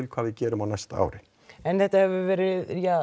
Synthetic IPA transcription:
ɪlkʰv̥aːvɪðcɛːɾʏmawnajst̪aa̰ːwɾɪ | ɛnθɛht̪ahɛvʏvɛːɾɪðjaː

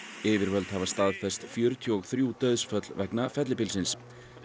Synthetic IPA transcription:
ɪːvɪɾvœlt̪havast̪aːðfɛst̪fjœɾt̪ʰjɔɔɣθɾjut̪œɥðsfœt̪l̥vɛknafɛt̪lɪpɪlsɪns

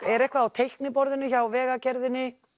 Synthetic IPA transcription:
ɛɾɛhkvaːwt̪ʰejhknɪpɔɾðɪnːɪçawvɛːɣacɛɾðɪnːɪ

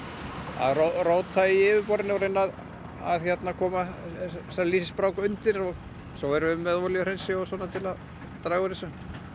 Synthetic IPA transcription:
a̰ðroroːwt̪ʰːaiɪːvɪpɔɾɪnɪvaɾejnːað | a̰ðçɛt̪nakʰɔːmasɛliːsɪspɾaːwkʏnt̪ɪɾɔɣ | sowɛɾʏmːɛðɔljr̥ejnsɪɔsɔːnat̪ʰɪlað | t̪ɾaːɣʏɾɪsʏ

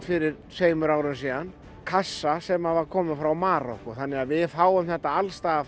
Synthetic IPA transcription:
fɪɾɪɾ̥seːjmʏɾaːwɾʏnsiːðan | kʰasːasɛmaðvaɾ̥kʰɔːmɪfɾawmaːɾɔkʊθanːɪɣaðvɪðfaːwʏmθɛht̪ːaalst̪aːɣa

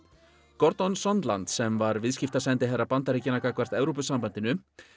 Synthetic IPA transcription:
kɔɾt̪ɔnsɔnt̪la̰nt̪sɛmvaɾvɪðscɪft̪asɛjnt̪ɪɦɛrːapant̪aɾicɪnakakʰvar̥t̪ɛvɾop̬ʏsampant̪ɪnʏ

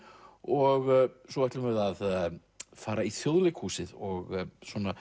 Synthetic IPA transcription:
ɔɣsɔvɛt̪lɪmvɪðað | faːɾaiθjoðlɪkʰhuːsɪðɔɣswɔna

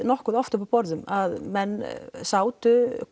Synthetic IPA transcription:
nɔhkɔðɔft̪əpʰɔpʰɔɾðəmaðmɛnsawt̪ʰʏ

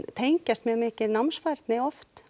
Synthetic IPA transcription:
t̪ʰejɲcast̪mjœːɣmɪːcɪðnamsfaɾt̪nɪɔft̪

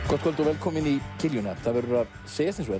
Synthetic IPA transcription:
kʰɔt̪kʰœlt̪ɔɾvɛlkʰɔːmɪnicʰɪljʏnaθaðvɛɾʏɾað | seːjast̪insvɛ

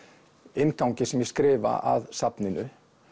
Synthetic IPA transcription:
ɪnkawɲcɪsɛmjɛskɾɪːva̰ʔaðsapnɪnʏ

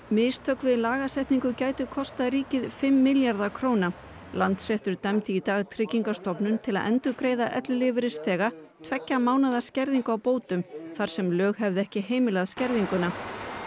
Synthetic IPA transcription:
mɪːst̪ʰœkvɪðlaːɣasɛjht̪niŋkʏcaːjt̪ʏkʰɔst̪aðɾiːcɪðfɪmːɪljaɾðakʰɾoːwna | lant̪sɛht̪ʏɾt̪ɛmt̪ɪit̪aːɣt̪ʰɾɪcːiŋkast̪ɔpnʏnt̪ʰɪla̰ðɛ̰nt̪ʏɾkɾeːjðaʔɛ̰t̪llɪvɪɾɪst̪θɛːɣa | t̪ʰvɛcːamaːwnaðascɛɾðiŋkawpoːwt̪ʏmθaɾ̥sɛmlœːɣɦɛvðɪɛhcɪɦeːjmɪlaðscɛɾðiŋkʏna

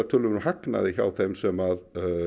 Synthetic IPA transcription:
aɾt̪ʰʏːɾlʏmnhakna̰ðɪça̰wθejmsɛmað

